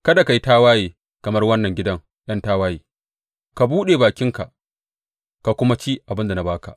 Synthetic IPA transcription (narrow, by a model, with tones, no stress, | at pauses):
kɐ˦da˨ka˨ji˦taː˦waː˦jeː˨ | kɐ˨mɐ˦rwɐ˦nːɐ˨ŋɡʲɪ˦dɐ˦ŋ | j̰ɐ˦ntaː˦waː˦jeː˨ | ka˨buː˦ɗeː˨baː˨kʲɪ˦ŋka˨ʔ | ka˨kʷʊ˦ma˦t͡ʃiː˦ʔa˨bɪ˦nda˨na˨baː˦ka̰˨ʔ